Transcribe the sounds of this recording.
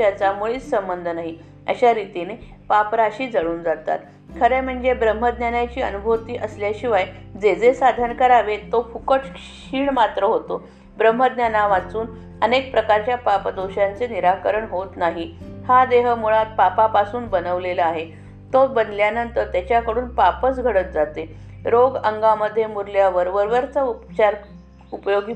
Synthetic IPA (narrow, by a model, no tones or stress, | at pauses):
at͡samuɭiːt͡ssəmbənd̪ʱənaɦi | ə̰ɕaɾit̪inepapɾaɕiːd͡zəɭuːnd͡zat̪a̰t̪ | kʰəɾem̤əɳd͡zebɾəm̤ɦəd̪njanat͡ɕiːənubʱoʋt̪iːʔəsljaɕiʋajd͡zed͡zesad̪ʱənkəɾaʋet̪ofukəʈk | iːɳmat̪ɾəɦot̪o | bɾəmɦəd̪njanaʋat͡suːn | ənek̚pɾəkaɾt͡ɕjapapd̪oɕant͡seniɾakəɾəɳɦot̪naɦihad̪eɦəmuɭat̪̚papapasuːnbənəʋleləaɦe | t̪obənljanənt̪əɾt̪jat͡ɕjakəɽuːnpapət͡sɡʱəɽət̪̚d͡zat̪e | ɾoɡəŋɡaməd̪ʱːjemuɾljaʋəɾʋəɾʋəɾt͡səupt͡ɕaɾ | upəjoɡi